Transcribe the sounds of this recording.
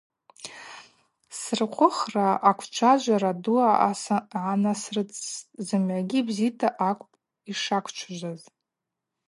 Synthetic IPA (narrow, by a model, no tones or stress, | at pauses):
srqʷʰʊχraakʷʰt͡ʃʷʰad͡ʒʷaɾaduaasʕanasrɨt͡sʼzɨmʕaɡʲibzitʰaʔakʷʼpʼ | iʂakʷʰt͡ʃʷʰʒʷaz